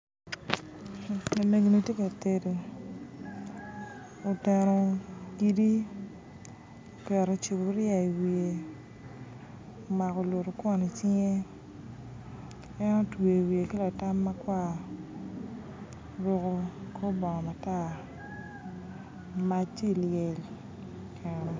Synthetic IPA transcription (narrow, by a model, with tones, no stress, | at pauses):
na˨me˨ɡo˨ni˦tje˦ka˨te˦do˨ | o˨tɛ˨ɾo˨ɡi˦di˦ | o˨kɛ˨ɾo˨t͡ʃu˨bo˨ɾɪ˦a˨i˨wi˨e˨ | o˨ma˨kɔ˨lo˨ɾo˨kwɔ˦ni˨t͡ʃi˦ŋe˦ | ɛ˦no˦twe˨wi˨e˨ki˦la˨ta˦mːa˦kwa˦˨ | ɾʊ˦ko˦ko˦bɔ˨ŋɔ˨ma˨ta˦˨ | ma˦t͡ʃi˦˨ljɛ˨l | kʰɛ˨nɛ˨